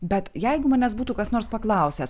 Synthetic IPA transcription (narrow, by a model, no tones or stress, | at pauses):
bʲɛt̪jɛɪɡʊmɑːnʲɛsbuːt̪uːkɐsnoːɾspɐklˠɐˑʊsʲɛs